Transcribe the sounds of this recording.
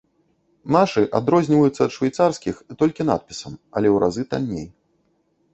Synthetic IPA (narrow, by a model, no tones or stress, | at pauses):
naʂɨʔad̪ɾɔzʲnʲivɐjut̪sːɐːt̪ʂvʲajt̪sarskʲixt̪ɔlʲkʲin̪a̰t̪̚pʲi̥sɐmɐlʲɛwɾʔa̰zɨt̪a̰lʲnʲḛj